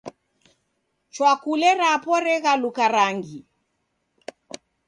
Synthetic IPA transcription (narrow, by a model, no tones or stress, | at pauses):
t͡ʃwakulɛɾapɔɾɛɣalukaɾaŋɡi